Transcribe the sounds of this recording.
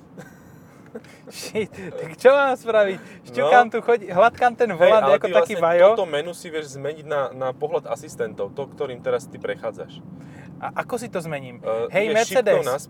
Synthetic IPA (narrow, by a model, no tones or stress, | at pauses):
ʃitt̪akt͡ʃɔmaːspɾaʋicʃukaːmt̪uxɔɟiɦlat̪kaːmt̪ɛnvɔlanakɔaakiːvajɔt̪ɔmɛnusiʋɪɛʒzmɛɲiɟnanapɔɦlad̪a̰sist̪ɛnt̪ɔʊt̪ɔkt̪ɔɾiːmt̪ɛɾast̪ipɾɛxaːd͡za̰ʃ | ʔaʔakɔsit̪ɔzmɛɲiːmɦɛjɛmɛɾʃt͡siɛːd̪ɛsnas